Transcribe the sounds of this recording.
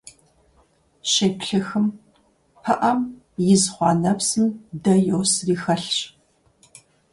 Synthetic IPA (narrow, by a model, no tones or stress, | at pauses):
ɕeːpɬɨxɨm | pʰɐʔɐm | jɪzχʷɑːnɐpsɨmdɐjowsriːxɐɬɕ